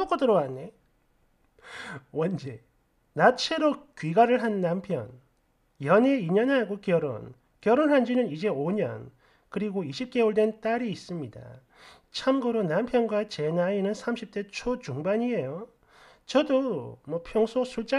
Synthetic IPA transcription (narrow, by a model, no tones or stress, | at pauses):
ok͈ʌtɯɾowanːe | wʌnd͡ʑe | nat͡ɕʰe̞ɾokɥiɡaɾɯɭɦanːampʰjʌ̰n | jʌne̞iɲʌnɦaɡokjʌɾo̰n | kjʌɾonɦand͡ʑinɯnid͡ʑe̞oɲʌ̰n | kɯɾiɡoiɕʰip̚k͈e̞oɭdwe̞nt͈aɾiːs͈ɯmɲida̰ | t͡ɕʰamɡɯɾonampʰjʌnɡwat͡ɕe̞nainɯnsʰamɕʰip̚t͈e̞t͡ɕʰot͡ɕuŋbaɲie̞jo | t͡ɕʌdomwʌpʰjʌŋsʰosʰuɭt͡ɕ͈a